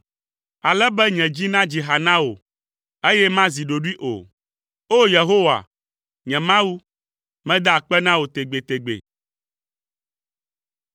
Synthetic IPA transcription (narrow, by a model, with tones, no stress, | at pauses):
a˨lɛ˦bɛ˦ɲɛ̃˨d͡ʑi˦nã˦d͡ʑi˨ɦa˨nã˦wo̰˨ | e˦jɛ˦mã˦zi˨ɖo˨ɖu˦i˦ʔo̰˨ | o˦je˨ɦo˦wa̰˨ | ɲɛ̃˨mã˦wu˦ | mɛ̃˦d̪a˦a˨k͡pɛ˦nã˦wo˨t̪e˨ɡ͡be˨t̪e˨ɡ͡bḛ˨